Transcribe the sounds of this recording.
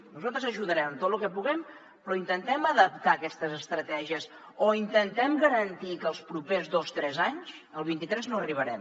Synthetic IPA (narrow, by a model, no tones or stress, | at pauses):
nuzalˠt̪ɾəzəʒuðəɾɛmət̪ot̪lukɛpuɣɛm | pɾɔint̪ənt̪ɛməðəp̚t̪aəkɛst̪əzəst̪ɾət̪ɛʒiəs | oint̪ənt̪ɛmɡəɾənt̪ikəːlˠspɾupezðost̪ɾɛzaɲsəlˠβint̪it̪ɾɛznoəriβ̞əɾɛm